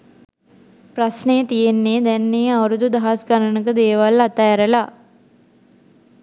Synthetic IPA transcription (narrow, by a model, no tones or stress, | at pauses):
prasnəjət̪ijenːeːd̪ɛnːeːawɾud̪ud̪aɦasɡaɾənəkəd̪eːʋalat̪aːɾəla